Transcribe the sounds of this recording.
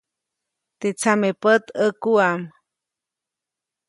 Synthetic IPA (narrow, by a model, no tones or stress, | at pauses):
t̪et͡samepət̪əkuam